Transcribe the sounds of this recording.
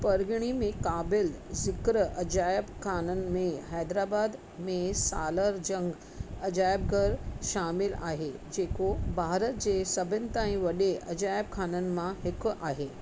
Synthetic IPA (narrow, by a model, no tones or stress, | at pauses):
pəɾɡɳ̃imẽkabɪlzɪkɾəʔɐd͡ʑajəbkʰaːnən̆mẽɦajd̪ɾabad̪ | mẽsa̰ːləɾd͡ʑə̃ŋɡ | əd͡ʑajəb̚ɡəɾʃamila̰ːɦed͡ʑekobʱaːɾət̪̚d͡ʑesəbʱənt̪aĩʋɐɗeɐd͡ʑajəb̚kʰaːnən̆mãɦekʔaːɦe